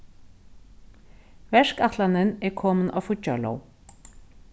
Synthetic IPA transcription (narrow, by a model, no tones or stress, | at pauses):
vɛʂkaht̪lanɪnɛɾkʰɔːmɪna̰wfʊcːa̰lo̰w